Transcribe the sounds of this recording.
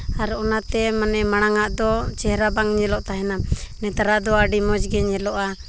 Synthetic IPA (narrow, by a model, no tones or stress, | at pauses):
aɾɔɔnat̪ɛmanɛmaɽ̃aŋaʔd̪ɔt͡ʃɛhɾabaŋɲɛlɔʔt̪aɦɛnamnɛt̪aɾad̪ɔaɖimɔd͡ʒɡɛɲɛlɔʔa